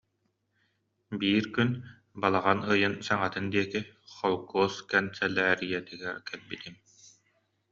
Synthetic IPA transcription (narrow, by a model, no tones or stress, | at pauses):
biːɾkyn | balˠaʁanɯjɯnsaŋat̪ɯnd̪iɛkiχɔlˠɡuːskɛnsɛlːæːɾijɛt̪iɡɛɾkɛlbit̪im